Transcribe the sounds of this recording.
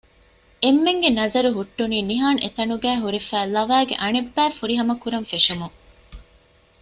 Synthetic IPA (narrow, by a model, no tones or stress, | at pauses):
emːeŋɡenɐzɐɾuɦuʈːuniːniɦaːnʔḛt̪ɐnuɡæːɦuɾifæːlɐʋæːɡḛʔɐɳebːæːfuɾiɦɐmɐkuɾɐɱfeʃumuŋ